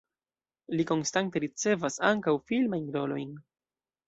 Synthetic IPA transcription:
liko̞nstante̞ɾit͡se̞vasa̰ŋkawfilmajnɾo̞lo̞̰jn

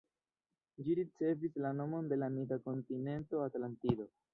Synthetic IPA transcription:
d͡ʒiɾit͡se̞vislano̞mo̞nde̞lamidako̞ntine̞nto̞atlantido̞

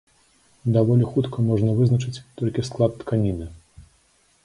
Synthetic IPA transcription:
d̪avɔlʲixut̪kʰɐmɔʐnɐvɨznɐt͡ʂɨt͡sʲt̪ɔlʲkʲisklˠat̪ːkʰanʲinɨ

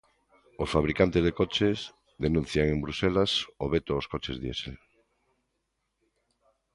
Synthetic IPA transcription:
osfaβɾikant̪ezðekot͡ʃez | ðenũn̟θjaŋembɾuselasoβet̪ooskot͡ʃezðjḛsḛl

